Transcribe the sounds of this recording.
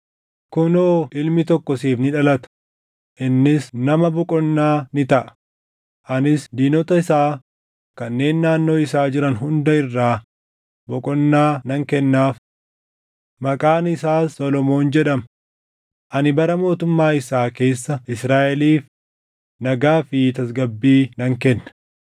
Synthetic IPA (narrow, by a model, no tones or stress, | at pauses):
kʊnoːʔɪlmɪt̪ɔkːɔsiːfnɪᶑɐlɐt̪ɐ̥ | ʔɪnːɪsnɐmɐbɔkʼɔnːaːnɪt̪ɐʔɐ̥ | ʔɐnɪsd̪iːnɔt̪ɐɪsaː | kɐnːe̞ːnːaːnːo̞ːɪsaːd͡ʒɪɾɐnɦʊnd̪ɐɪrːaː | bɔkʼɔnːaːnɐŋkɛnːaːf | mɐkʼaːnɪsaːsːɔlɔmo̞ːnd͡ʒɛᶑɐm | ʔɐnɪbɐɾɐmo̞ːt̪ʊmːaːɪsaːke̞ːsːɐɪsɾaːʔɛliːf | nɐɡaːfɪt̪ɐs̬ɡɐbːiːnɐŋkɛnːɐ̥